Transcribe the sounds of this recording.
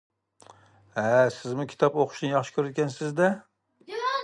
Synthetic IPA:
ɛsɪzmukʲʰi̥t̪ɑpoqʰʊ̥ʃnɨjɑχʃɪ̥kʲʰøɾɪt̪̚kʲɛnsɪzd̪ɛ

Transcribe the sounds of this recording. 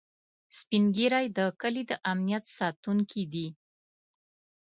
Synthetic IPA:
spinɡiɾɑjd̪əkəlid̪əʔamnijat̪sɑt̪uŋkʰid̪i

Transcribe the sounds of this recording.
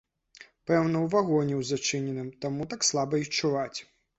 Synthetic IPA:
pɛwnɐwvaɣɔnʲɛwzat͡ʂɨnʲɛnɨmt̪amut̪akslˠabɐit͡ʂːuvat͡sʲ

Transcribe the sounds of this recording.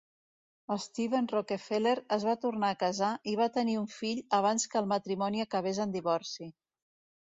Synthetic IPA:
əst̪iβenrokefeleɾəzβat̪urnaːkəzaʔiβ̞at̪əniuɱfiʎəβ̞anskəlˠmət̪ɾimɔniəkəβezənd̪iβɔɾsi

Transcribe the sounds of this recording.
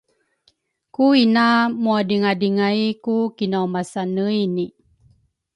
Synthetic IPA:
kuinamuadiŋadiŋajkukinawmasanəjni

